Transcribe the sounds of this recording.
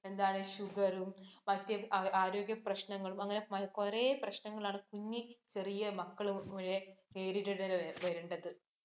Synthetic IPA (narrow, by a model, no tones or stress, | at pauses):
e̞nd̪aːɳɨɕuɡɐɾummɐtːjɐaːɾo̞ːɡjɐprɐɕnɐŋːɐɭumɐŋːɐne̞mɐkoreːprɐɕnɐŋːɐɭaːɳɨkuɲːit͡ɕe̞rijɐmɐkːɐɭuoɻeeːɾiɾɐɽɐɾʋɐɾuɳɖɐðɨ